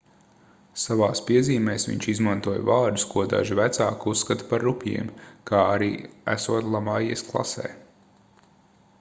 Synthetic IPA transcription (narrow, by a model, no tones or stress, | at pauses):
savaːspiɛziːmɛːsʋḭɲʲt͡ʃizmant̪uɔj̰vaːɾd̪uskuɔd̪a̰ʒivæt̪saːkusːkat̪paɾːupʲjḭɛmkaːaɾiːæ̰suɔt̪lˠamajɛsklˠa̰sɛ̰ː